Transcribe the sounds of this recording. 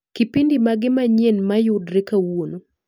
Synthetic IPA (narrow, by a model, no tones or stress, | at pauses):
kipindimaɡɪmaɲenmajʊdɾekawono